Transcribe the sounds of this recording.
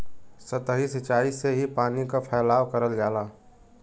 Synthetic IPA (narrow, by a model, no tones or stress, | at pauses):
sət̪ɦisət͡ʃaːiseɦipaːnikapʰɛːlaːwkəɾəld͡ʒaːlaː